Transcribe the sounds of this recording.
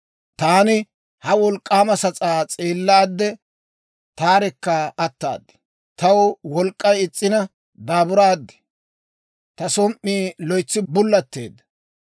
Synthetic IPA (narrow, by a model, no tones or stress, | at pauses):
t̪aːnɪ | hɐwɔlkʼːaːmɐsɐt͡sʼaːt͡sʼeːlːaːd̪ːɛ | t̪aːɾɛkːɐɐt̪ːa̰ːd̪ːɪ̥ | t̪ɐwwɔlkʼːɐjɪt͡sʼːɪnɐ | d̪aːbʊɾaːd̪ːɪ̥ | t̪ɐsɔmʔːiːlɔjt͡sːɪbʊlːɐt̪ːḛːd̪ːɐ̥